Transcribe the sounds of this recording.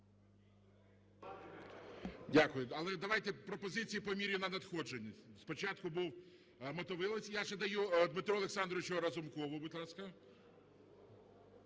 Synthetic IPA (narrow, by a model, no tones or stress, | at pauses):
dʲakʊjʊɐlˠɛd̪ɐʋajt̪ɛpɾɔpɔzɪt͡sʲijipɔmʲiɾʲʊnɐnɐt̪xɔd͡ʒenʲːisʲspɔt͡ʃat̪̚kʊbuw | mɔt̪ɔʋɪlˠɐsʲjaʒɛd̪ɐjud̪mɪt̪ɾɔlˠeksɑnd̪ɾɔʋɪt͡ʃɔɔɾɐzʊmkɔʋʊbʊt̪ʲlˠɑskɐ